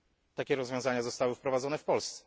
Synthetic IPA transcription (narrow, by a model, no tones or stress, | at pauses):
t̪akʲɛɾɔzvʲjɔ̃w̃zaɲazɔst̪awɘfpɾɔvad̪zɔnɛfpɔlst̪sɛ̥